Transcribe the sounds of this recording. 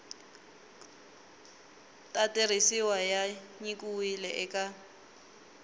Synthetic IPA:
tʼatʼerisiwajaɲikʼuilɛʔɛkʼa

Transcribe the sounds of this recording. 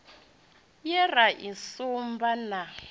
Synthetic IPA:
jɛraʔisumbana

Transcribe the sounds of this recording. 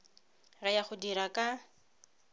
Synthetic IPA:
rajaχʊdiɾakʼa

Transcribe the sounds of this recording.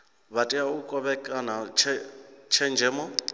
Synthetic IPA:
βatʼiaukʼɔβɛkʼanat͡ʃʰɛt͡ʃʰɛnd͡ʒʱɛːmɔ

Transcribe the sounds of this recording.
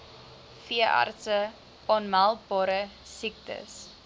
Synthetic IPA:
fiəʔɑ̰rtsə | ɔnmælˠk̚bɑːɾə | sik̚tə̰s

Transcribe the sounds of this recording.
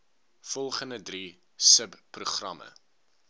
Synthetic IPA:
fɔlˠχəndədri | səbpruχrɐmə̰

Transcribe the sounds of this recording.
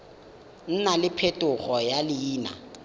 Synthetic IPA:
n̩nalɪpʰetʼʊχɔjalɪjiːna̰

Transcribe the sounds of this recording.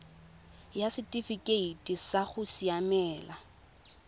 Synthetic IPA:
jasɪtʼifikʼeitʼisaχʊsiamɛːla

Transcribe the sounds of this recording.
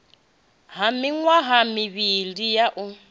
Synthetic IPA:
ɦamiŋwaɦamiβilijaʔu

